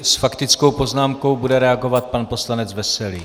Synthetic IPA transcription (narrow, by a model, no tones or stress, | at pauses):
sfakt̪ɪt͡sko̞wpo̞znaːmko̞wbudɛɾɛaɡo̞vat̪̚panpo̞slanɛd͡zvɛsɛliː